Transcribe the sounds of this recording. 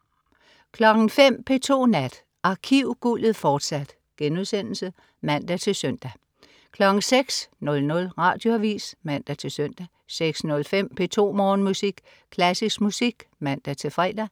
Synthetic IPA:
kʰlɒ̽ɡ̥n̩fem̰pʰe̝t͡sʰo̝̰ːnæd̥ | ʔɑ̈kʰiʊ̰ɡ̥ulð̩ˠfɒːd̥sæd̥ | ɡ̥enuðˠsen̰l̩sə | mæn̰d̥æt͡sʰe̝lsøn̰d̥æ | kʰlɒ̽ɡ̥ŋ̩seɡ̥snɔ̽lnɔ̽lʁɑ̈ːd̥jo̝æʋḭːsmæn̰d̥æt͡sʰe̝søn̰d̥æ | seɡ̥snɔ̽lfem̰pʰe̝t͡sʰo̝̰ːmɒːnmusiɡ̥ | kʰlæsismusiɡ̥mæn̰d̥æt͡sʰe̝fʁɛ̰ːd̥æ

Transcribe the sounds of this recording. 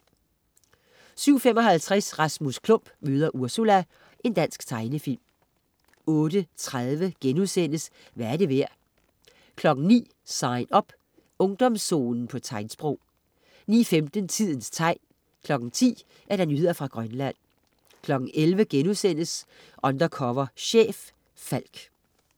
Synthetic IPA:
syʊ̰fem̰ɒ̽ɦælt͡sʰʁɛsʁɑ̈smuskʰlɔ̽m̰b̥møːð̞ˠɐʔuɐsulæ | ʔe̝nd̥æn̰sɡ̥t͡sʰɑ̈ɪnəfil̰m | ɔ̽ːɾ̥ət͡sʰʁaðˠʋəɡ̥enuðˠsen̰əs | ʋææɐɾ̥e̝ʋæɐ̰ | kʰlɒ̽ɡ̥n̩nḭː | sɑ̈ɪ̰nɒ̽b̥ | ɔ̽ŋd̥ɒ̽msːo̝̰ːnn̩pʰɒ̽t͡sʰɑ̈ɪnsb̥ʁɔʊ̰ | nḭːfemd̥ən̩t͡sʰið̞̰ˠn̩st͡sʰɑ̈ɪ̰n | kʰlɒ̽ɡ̥n̩t͡sʰḭː | ʔæɐd̥ænjyð̰ˠɐfʁɑ̈ɡ̥ʁɶnlæn̰ | kʰlɒ̽ɡ̥n̩elʋəɡ̥enuðˠsen̰əs | ʔɒ̽nd̥ɐkʰɒʋɐɕḛːf | fæl̰ɡ̥

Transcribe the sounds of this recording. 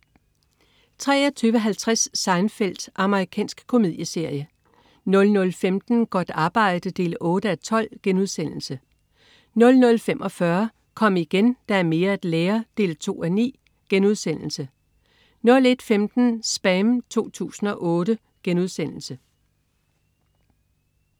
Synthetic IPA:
t͡sʰʁɛ̰ːɒt͡sʰyːʋəɦælt͡sʰʁasːɑ̈ɪnfel̰d̥ʔɑ̈məʁikʰɛ̰ːnsɡ̥kʰo̝mið̞̰ˠjəse̝ɐ̰jə | nɔ̽lnɔ̽lfemd̥n̩ɡ̥ɒd̥ɑ̈ːb̥ɑ̈ɪ̰d̥əd̥e̝̰ːlɔ̽ːɾ̥əæt͡sʰɒ̽l̰ɡ̥enuð̞ˠsen̰l̩sə | nɔ̽lnɔ̽lfem̰ʔɒ̽fɶɐ | kʰɒ̽m̰iɡ̥end̥ɑ̈æɐme̝ːɐæd̥leːɐd̥e̝̰ːlt͡sʰo̝̰ːænḭː | ɡ̥enuð̞ˠsen̰l̩sə | nɔ̽le̝d̥femd̥n̩sb̥ɛmt͡sʰo̝̰ːt͡sʰṵːsn̩ɒ̽ʔɔ̽ːɾə | ɡ̥enuð̞ˠsen̰l̩sə

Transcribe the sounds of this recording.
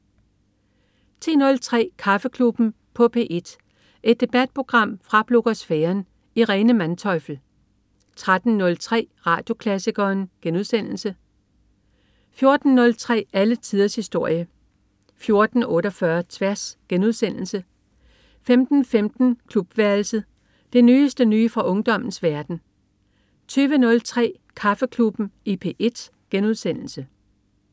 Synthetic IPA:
t͡sʰʁḛːnɔ̽lt͡sʰʁɛ̰ːkʰɑ̈fəkʰlub̥n̩ | pʰɒ̽pʰe̝̰ːʔe̝d̥ | ʔe̝d̥̚ːe̝b̥æd̥̚pʰʁo̝ɡ̥ʁɑ̈m̰fʁɑ̈b̥lo̝ɡ̥osfeːɐn | iʁɛːnəmænt͡sʰɒ̽ɪfl̩ | t͡sʰʁad̥n̩nɔ̽lt͡sʰʁɛ̰ːʁɑ̰̈ːd̥jo̝kʰlæsiɡ̥ɐːnɡ̥enuðˠsen̰l̩sə | fjo̝ɐd̥n̩nɔ̽lt͡sʰʁɛ̰ːælət͡sʰið̞ˠɐshisd̥o̝ɐ̰jə | fjo̝ɐd̥n̩ɔ̽ːɾɒfɶɐt͡sʰʋæɐsɡ̥enuð̞ˠsen̰l̩sə | femd̥n̩femd̥n̩kʰlub̥ʋæɐlsəð̩ˠ | d̥enyːsd̥ənyːfʁɑ̈ʔɔ̽ŋd̥ɒ̽m̰n̩sʋæɐd̥n̩ | t͡sʰyːʋənɔ̽lt͡sʰʁɛ̰ː | kʰɑ̈fəkʰlub̥n̩ʔe̝pʰe̝ʔe̝d̥ | ɡ̥enuð̞ˠsen̰l̩sə

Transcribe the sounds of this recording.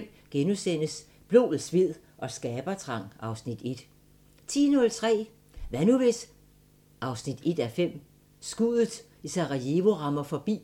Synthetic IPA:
m | ɡ̥enusen̰əs | b̥lo̝̰ːð̩ˠsʋið̞̰ˠ | ʔɒ̽sɡ̥ɛːb̥ɐt͡sʰʁɑ̈ŋ̰ɑ̈ʊsnid̥e̝d̥ | t͡sʰḭːnɔ̽lt͡sʰʁɛ̰ː | ʋænuʋes | ʔɑ̈ʊsnid̥e̝d̥æfem̰ | sɡ̥uð̩ˠ | isɑ̈ʁɑjeʋo̝ʁɑ̈mɐfɒ̽b̥ḭː

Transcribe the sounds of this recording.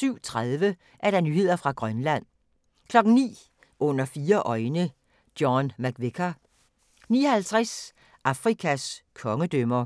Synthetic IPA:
syʊ̰t͡sʰʁaðˠʋə | ʔæɐɾ̥ɑ̈nyːhe̝ð̞̰ˠɐfʁɑ̈ɡ̥ʁɶnlæn̰ | kʰlɒ̽ɡ̥n̩nḭː | ʔɔ̽n̰ɐfiːɐʔɒ̽ɪnə | d̥jɒnmæɡ̥ʋekʰɐ | nḭːɒhælt͡sʰʁɛs | ʔɑ̈fʁikʰæskʰɒ̽ŋəd̥ømɐ

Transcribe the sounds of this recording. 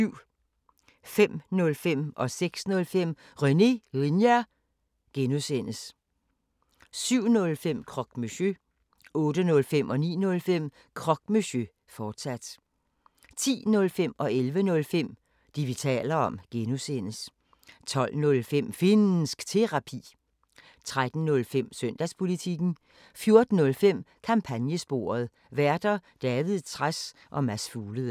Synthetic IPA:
yʊ̰ | fem̰nɔ̽lfem̰ʔɒ̽seɡ̥snɔ̽lfem̰ | ʁœne̝ʁinjæ | ɡ̥enosen̰əs | syʊ̰nɔ̽lfem̰kʰʁɒ̽ɡ̥myɕø | ɔ̽ːd̥ənɔ̽lfemʔɒ̽nḭːnɔ̽lfem̰ | kʰʁɒ̽ɡ̥mesø | fɒːd̥sæd̥ | t͡sʰḭːnɔ̽lfem̰ɒ̽elʋənɔ̽lfem̰ | d̥iʋit͡sʰɛ̰ːlɐɒ̽mɡ̥enosen̰əs | t͡sʰɒ̽l̰nɔ̽lfem̰fe̝n̩sɡ̥t͡sʰe̝ʁɑ̈pʰḭː | t͡sʰʁad̥n̩nɔ̽lfem̰sœn̰d̥æspʰo̝lit͡sʰiɡ̥n̩ | fjo̝ɐd̥n̩ːɔ̽lfem̰kʰɑ̈mpʰænjəsb̥o̝̰ːɐð̞ˠ | ʋæɐd̥ɐd̥ɛːʋið̩ˠt͡sʰʁas | ʔɒ̽mæsfuːləð̩ˠ

